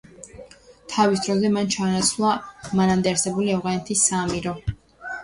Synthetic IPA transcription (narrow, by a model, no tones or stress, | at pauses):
t̪ʰavisd̪ɾɔzɛmant͡ʃʰanat̪sʰvlˠamanamd̪ɛaɾsɛbuliavʁanɛt̪ʰisːaːmiɾɔ